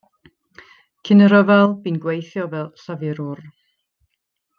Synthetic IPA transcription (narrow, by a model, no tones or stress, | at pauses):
kʰɪnəɾəvɛlˠbinɡwejθjɔvɛlˠsavɪɾʊr